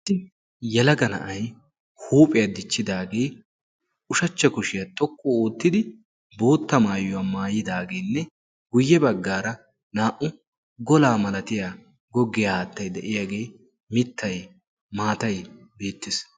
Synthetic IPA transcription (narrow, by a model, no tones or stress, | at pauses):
t̪ːɪ | jɛlɐɡɐnɐ̰ʔɐj | huːpʼɪjad̪ɪt͡ʃːɪd̪aːɡe̞ː | ʊʃɐt͡ʃːɐkʊʃɪjɐt̪ʼɔkʰːɔoːt̪ːɪd̪ɪ | bo̞ːt̪ːɐmaːjʊwaːmaːjɪd̪aːɡe̞ːnːɛ | ɡʊjːɛbɐɡːaːɾɐ | naːʔʊ | ɡɔlaːmɐlɐt̪ɪja | ɡɔɡːɪjaaːt̪ːɐjd̪ɛʔɪjaːɡe̞ː | mɪt̪ʰːɐj | maːt̪ɐjbe̞ːt̪ːɪs